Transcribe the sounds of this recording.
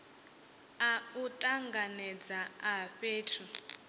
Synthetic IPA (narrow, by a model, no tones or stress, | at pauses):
autʼaŋɡanɛd͡zaaɸeːtʰu